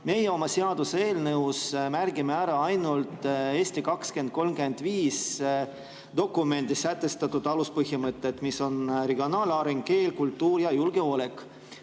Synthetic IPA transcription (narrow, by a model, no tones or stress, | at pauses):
me̞jeo̞mɑse̞ɑd̪̥usee̞ːlnɤwsmæɾɡ̥imeæɾɑɑjnult̪ˑe̞ːst̪ikɑkske̞nd̪̥̚ko̞lmɡyend̪̥viːs | d̪̥o̞kːume̞nd̪isːæt̪ːˑe̞st̪ɑt̪ːˑud̪̥ɑluspɤhjimɤt̪ːˑe̞t̪miso̞nɾeɡio̞nɑːlɑɾeŋɡ̥ke̞ːlkult̪ːuːɾjɑjulɡ̥e̞o̞le̞kːˑ